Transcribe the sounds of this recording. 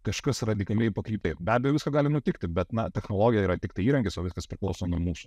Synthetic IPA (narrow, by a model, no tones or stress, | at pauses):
kɐʃkɐsrɐd̪ʲɪkɐlʲejpɐkɾʲiːpʲtʲɛɪbʲæːd̪ʲɛjʊʋʲɪskɐɡɑːlʲɪnʊt̪ʲɪkt̪ʲɪbʲɛt̪nɐt̪ʲɛxnoːlˠoːɡʲɪjɛiːɾɐt̪ʲɪkt̪ɐɪiːɾɐŋkʲɪsoːʋʲɪskɐspʲɾʲɪklˠɒʊsoːnʊmuːsʊ̥